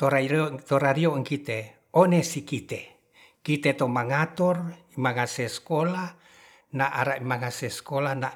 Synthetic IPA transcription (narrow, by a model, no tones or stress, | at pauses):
t̪oɾat̪oɾaɾioŋkit̪e | onesikit̪e | kit̪et̪omaŋat̪ɔrimaŋasɛskola | naʔaɾaʔimaŋaseskolana